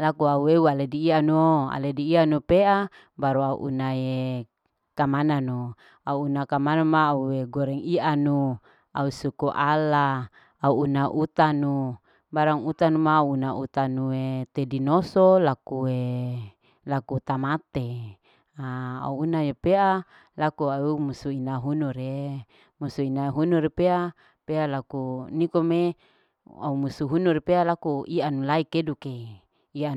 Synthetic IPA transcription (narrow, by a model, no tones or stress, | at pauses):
lakuaueualediːanuoa̰lediːanupeʔa | baɾuaṵʔṵnae | kamananu | auːnakamanamaːueɡoɾɛŋianu | ausukuʔalaː | uːnaʔut̪anu | baɾaŋut̪anumaunaṵt̪anuet̪edinosolakue | lakut̪amat̪e | aa̰uːnajepea | lakuaumusuinaɦunuɾe | musuinaɦunuɾepea | pealakunikome | a̰umusuɦunuɾepealakuianulaikeduke | ia